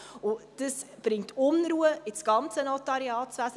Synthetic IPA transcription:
ʊd̥əsb̥ɾɪŋtʰʊnɾuːəɪsɡ̥ɑnt͡sənɔtɑɾiɑːtsʋæsə

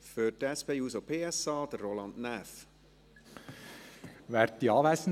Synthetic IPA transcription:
føtɛspeːuːsopʰeːɛsɑːd̥̪ərːolɑntnæf | ʋæːɾ̚d̪iɑːʋæɪsən̩

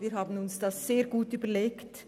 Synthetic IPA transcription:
viːɾɦaːbən̩ʊnsd̥ɑsz̥eːɾɡuːtyːbəleːkt

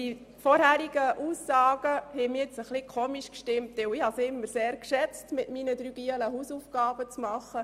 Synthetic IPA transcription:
i | fɔɾhæːɾiɡ̥əʔuːsːɑːɡ̥əhɛmijɛt͡səχlikʰoːmiʃkʃtɪmtʋɛwɪhɑsɪmːəɾseːɾkʃɛt͡stmɪtminəd̥ɾyːɡ̥iələɦuːsufɡ̥ɑːb̥ət͡smɑχə

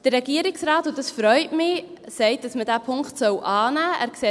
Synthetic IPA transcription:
d̥ərɛɡiːəɾɪksɾɑːtʊtd̥ɑsfɾœʏtmɪ | sɛɪt̚d̥ɑsmədæːpʰʊŋkχtsœwʔɑːnæːʔæ̰ːɾkse

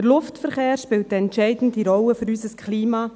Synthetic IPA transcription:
əɾlʊftfəɾχeːɾʃpɪlt̚dɛntt͡ʃɛɪdn̩diɾɔwəføɾysəskʰχliːmɑː

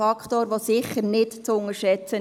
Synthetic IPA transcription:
ɑkʰt̪oːɾʋosɪχəɾnɪtt͡sʊŋəʃɛt͡sə

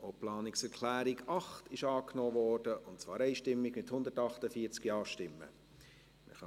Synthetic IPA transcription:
oplɑːnɪksɛɾkʰlæːɾɪɡɑχtʰɪʃɑːknoːvɔːɾd̥əʔʊntt͡svɑːɾɛɪʃtɪmːɪɡmɪthʊndətɑχtəfiːt͡skjɑːʃtɪmːə̰ | mə̰χɑ

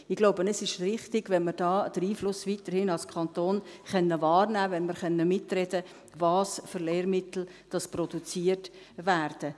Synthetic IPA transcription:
ɪɡ̥loʊbənɛsɪʃrɪχtɪɡ̥ʋɛnməɾd̥ɑːd̥əɾiːflʊsviːtəɾhɪnɑlskʰɑnt̪oːnχɛnːəvɑːɾnæːvɛnməɾχœnːəmɪtrɛdə | vɑːsføɾleːɾmɪtl̩ | d̥ɑspɾɔd̥ut͡siːərt | væːɾd̥ə

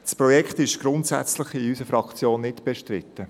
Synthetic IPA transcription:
spɾɔjɛkχt̪ɪʃɡ̥ɾʊntsæ̰t͡slɪχɪysəfɾɑkt͡sjoːnːɪtb̥ɛʃtɾɪt̪ːə

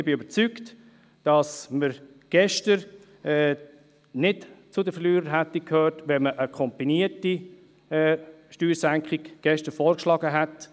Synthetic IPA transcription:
bɪøbəɾt͡sykt | d̥ɑsməɾ | ɡ̥ɛʃtəɾ | ɛː | nɪtt͡sʊdəfəɾlyːɾəɾɦætikʰhøːɾtʋɛnməʔəkʰɔmpiniəti | ʃtyːɾsæŋkχɪɡɡ̥ɛʃtəɾfɔːɾkʃlɑːɡəɦɛt

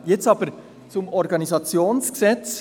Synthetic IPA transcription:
jɛt͡sɑːbəɾ | t͡sʊmɔɾɡɑnizɑt͡sjoːnsksɛt͡s

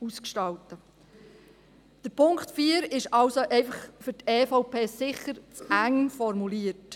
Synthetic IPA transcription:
uskʃtɑwtə | d̥əɾpʰʊŋktfiːəɾɪʃɑlsoʔɛɪfəχfʏɾteːfoʊpʰeːsɪχəɾt͡sæŋfɔɾmuliːət

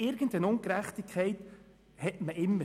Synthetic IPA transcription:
ɪɾɡ̥ən̩dənʊŋkɾæχtikʰːɛɪt | hɛtməʔɪmːə

